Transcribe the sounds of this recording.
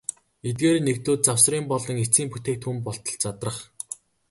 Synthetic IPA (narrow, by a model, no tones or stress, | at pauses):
et̪̬̚ɡeːɾnekt̪oːt̪̚t͡sawsriːmpɔɮɞ̆ŋet͡siːmput̪eːk̚t̪ʰxumpɔɬt̪ɞ̆ɮt͡sat̪rə̆χ